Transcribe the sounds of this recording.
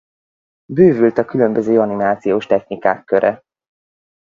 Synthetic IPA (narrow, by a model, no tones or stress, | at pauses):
bøːvylt̪ɒkylø̞mbøzøːɒnimaːt̪sijoːʃt̪ɛxnika̰ːkːøɾʔɛ